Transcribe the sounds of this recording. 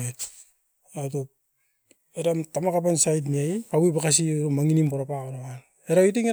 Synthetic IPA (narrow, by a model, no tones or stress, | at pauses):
et | atop | eɾamtamakapansajt̬niaipawipakas̬iuɾomaŋinimpoɾapaoɾawan | eɾawitiŋe